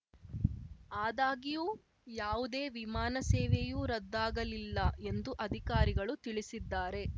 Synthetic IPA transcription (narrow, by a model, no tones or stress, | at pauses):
aːd̪aːɡijuː | jaːʋud̪e̞ːʋimaːnɐseːʋejuːɾɐd̪ːaːɡɐlilːɐe̞nd̪uʔɐd̪ʱikaːɾiɡɐɭut̪iɭisid̪ːaːɾe̞